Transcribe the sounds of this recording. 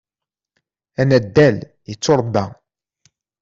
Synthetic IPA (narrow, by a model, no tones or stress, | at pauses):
ænæd̪ːæl | jət͡sːoɾˤbːæ